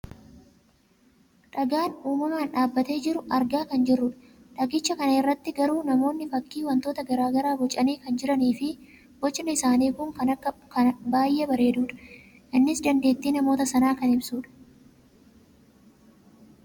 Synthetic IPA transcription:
ᶑɐɡaːnuːmɐmaːnᶑaːbːɐt̪e̞ːd͡ʒɪɾʊʔɐɾɡaːkɐnd͡ʒɪrːʊᶑɐ̥ | ᶑɐɡɪt͡ʃːɐkɐnɐɪrːɐt̪ːɪɡɐɾuːnɐmo̞ːnːɪfɐkːiːwɐnt̪o̞ːt̪ɐɡɐɾaːɡɐɾaːbɔt͡ʃʼːɐniːkɐnd͡ʒɪɾɐniːfɪ | b̥ɔt͡ʃːɪnɐɪsaːniːkʊŋkɐnɐkːɐkɐbaːjːʔeːbɐɾe̞ːd̪uːᶑɐ̥ | ʔɪnːɪsd̪ɐnd̪e̞ːt̪ːiːnɐmo̞ːt̪ɐsɐnaːkɐnɪbsuːᶑɐ̥

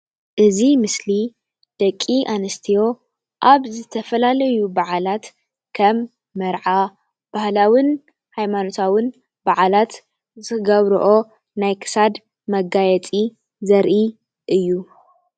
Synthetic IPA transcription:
ʔɨzimɨsli | d̪̥ɐkʼːiʔanɐst̪ʰijo̞ | ʔaβzɨt̪ʰɐfɐlalɐjubaʕalat̪ | kʰɐmː | ɐɾʕa | b̥ahlawɨn | hajmano̞t̪ʰawɨn | baʕalat̪ | zɨɡɐβɾuʔo | najkʰɨ̥sad̪ | mɐɡajɛt͡sʼi | zɐɾʔi | ʔɨjːu

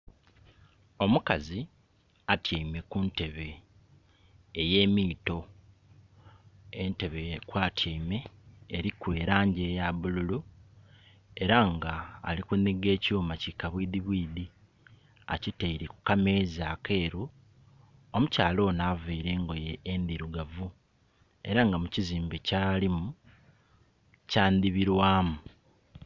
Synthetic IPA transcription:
o̞mukazi | atjaime̞kunte̞βe̞ | je̞ːmiːto̞ | e̞nte̞βekwaːtʰjaime̞ːɾikwe̞ːɾaːɲɟe̞jaβululu | e̞ɾaŋɡa̰ːlikuniɡe̞ːcoːmacikaβwiːd̪iβwiːdi | a̰citeiɾiku̥kame̞ːzake̞ːɾu | omucaːlo̞ːnaveiɾe̞ːŋɡojeːnd̪iɾuɡavu | e̞̰ɾaŋɡamuciziːmbecaːlimu | caːnd̪iβiɾwaːmu

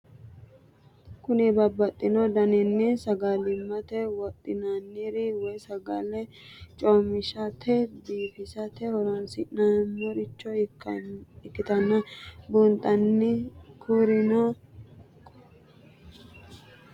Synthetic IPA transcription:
kʊnɛbɐbɐt̪ʼːɪnɔd̪ɐnɛnːɪsɐɡalɪmːɐt̪ɛwɔt̪ʼːɪnanːɪɾɪwɔjsɐɡɐlɛ | t͡ʃʼoːmɪʃɐt̪ʰɛb̪iːfɪsɐt̪ɛhɔɾansɪʔnamːɔɾɪt͡ʃːɔ | ɪkːɪt̪ɐnːɐbunt̪ʼɐnːɪkʰuːɾɪno

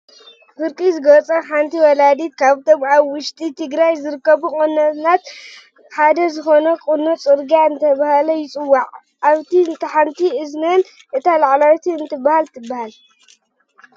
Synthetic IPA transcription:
fɨɾkʼizɨɡɐt͡sʼɐħant̪ʰiwɔlad̪it̪̚kʰaβt̪ʰomʕaβwʊʃt̪ʼit̪ʰɨɡɾajzɨɾɨkːɐβukʼonːɐt̪nat̪ | ħad̪ɐzɨxo̞nɐkʼunːot͡sʼɨɾɡaɨnt̪ʰɐβahalɐjɪt͡sʼɨwːaʕ | ʔaβt̪ʰiɨnt̪ʰɐħant̪ʰiɨznɐn | ʔɨt̪ʰalaʕlawt̪ʰiɨnt̪ʰɨbːahalt̪ʰɨbːahal

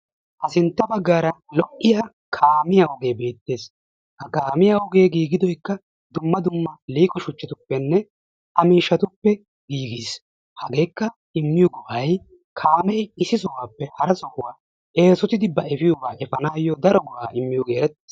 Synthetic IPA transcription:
ʔɐsɪnt̪ːɐbɐɡːaːɾɐlɔʔːɪja | kʰaːmɪjaːʊɡe̞ːbe̞ːt̪ːe̞ːs | hɐkaːmɪjaːʊɡe̞ːɡiːɡɪd̪ɔjkːɐ | d̪ʊmːɐd̪ʊmːɐliːkʼɔʃʊt͡ʃːɐt̪ʊpːɛnːɛ | ʔɐmiːʃːɐt̪ʊpːɛ | ɡiːɡiːs | hɐɡe̞ːkːɐ | ɪmːɪjɔɡʊʔɐj | kʰaːmɛjɪsɪsɔwaːpːɛhɐɾɐsɔkʊwaː | ʔe̞ːsɔt̪ɪd̪ɪbːɐɛfɪjʊbaːʔɛfɐnaːjːɔd̪ɐɾɔɡʊʔaːʔɪmːɪjɔɡe̞ːɾɛt̪ːe̥s

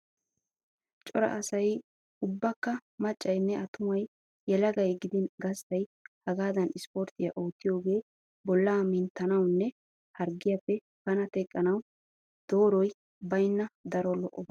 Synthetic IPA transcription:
t͡ʃʼɔɾɐ̰ʔːsɐj | ʊbːɐkːɐmɐt͡ʃʼːɐjnːɛɐt̪ʊmɐj | jɛlɐɡɐjɡɪd̪ɪnɡɐst̪ɐjhɐɡaːd̪ɐnɪspoɾt̪ɪjɐʔo̞ːt̪ːɪjo̞ːɡe̞ː | bɔlːaːmɪnt̪ːɐnɐwnːɛ | hɐɾɡɪjɐpːɛ | b̥ɐnɐt̪ɛkʼːɐnɐw | d̪̥o̞ːɾɔj | bɐjnːɐd̪ɐɾɔlɔʔːɔb

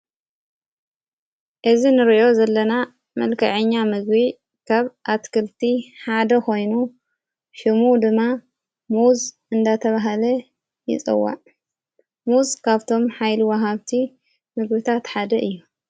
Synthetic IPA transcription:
ʔɨzinɨɾiʔo̞zɐlːɐna | mɐlkʰɐ̰ʕɨɲːamɨɡbi | kʰaβʔat̪kʰɨlt̪ʰiħad̪ɐko̞jnu | ʃɨmud̪ɨmːa | muz | ɨnd̪at̪ʰɐβaɦalɐ | jɪ̰t͡sʼɨ̰wːa̰ʕ | muzkʰaβt̪ʰo̞mħajliwɐɦaβt̪ʰi | mɨɡbit̪ʰat̪ħad̪ɐʔɨjːu

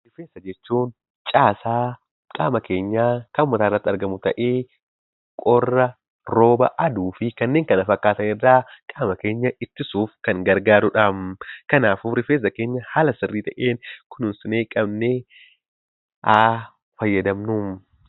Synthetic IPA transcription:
ɾɪfeːsɐd͡ʒɛt͡ʃːuːn | t͡ʃʼaːsaː | kʼaːmɐke̞ːɲːaːkɐmmɐt̪aːɪrːɐt̪ːɪɐɾɡɐmʊt̪ɐʔeː | kʼɔrːɐ | ɾo̞ːbɐ̰ʔɐd̪uːfɪkɐnːeːŋkɐnɐfɐkːaːt̪ɐnɛrːaːkʼaːmɐke̞ːɲːɐɪt̪ːɪsuːfkɐŋɡɐɾɡaːɾʊᶑɐmkɐnaːfuːɾɪfeːs̬ɐke̞ːɲːɐhaːlɐsɪrːiːt̪ɐʔeːnkʊnʊnsɪneːkʼɐbne | ʔaː | fɐjːɐd̪ɐmnuːm

